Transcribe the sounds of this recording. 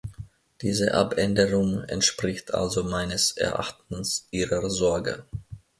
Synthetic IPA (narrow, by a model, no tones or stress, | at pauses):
d̥iːzəʔa̰pɛndəʁʊŋɛ̰ntʃpʁ̥ɪçtʰʔa̰lzomaɪnəsʔɛ̰ɐʔa̰χtn̩sʔiːʁəzɔɐɡə̰